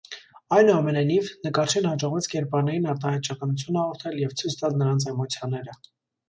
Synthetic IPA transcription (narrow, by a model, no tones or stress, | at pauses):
ɑjnuɑmɛnɑjnivnəkɑɾt͡ʃʰɛnhɑd͡ʒɔʁvɛt͡sʰkɛɾpɑɾnɛɾinɑɾt̪ɑhɛjt̪̚t͡ʃʰɑkɑnut͡sʰjunɑʁɔɾt̪ʰɛljɛvt͡sʰujt͡sʰt̪ɑlnəɾɑnt͡sʰɛmɔt͡sʰjɑnɛɾə